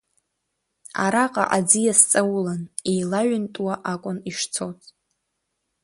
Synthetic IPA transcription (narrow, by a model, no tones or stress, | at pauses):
a̰ɾaqʼa̰ʔad͡zijast͡sʼawlanejlaɥʏntʼwaʔakʷʼʊniʂt͡sʰotʼ